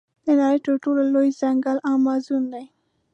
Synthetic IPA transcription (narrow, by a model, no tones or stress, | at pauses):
d̪ənaɾəjt̪əɾʈolalojzaŋɡalawmɑzund̪aj